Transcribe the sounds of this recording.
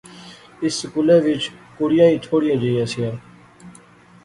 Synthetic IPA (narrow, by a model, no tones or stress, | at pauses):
ɪsːəkuleːʋɪt͡ʃkʊɽɪjãːiːt̪ʰoːɽɪjãːd͡ʒeijãːsɪjaː